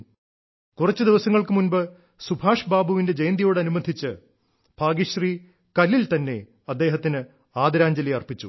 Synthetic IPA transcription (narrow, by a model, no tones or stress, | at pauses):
kurɐt͡ɕːɨd̪iʋɐsɐŋːɐɭkɨmunbɨ | subʱaːʂbaːbʱuʋinde̞d͡ʑejnd̪ijo̞ːɽɐnumɐd̪ʱit͡ɕːɨ | bʱaːɡiɕriː | kɐlilt̪ɐnːe̞̰ | ɐd̪ːe̞ːɦɐt̪ːinɨ | aːd̪ɐɾaːɲd͡ʑɐlijɐrpit͡ɕːu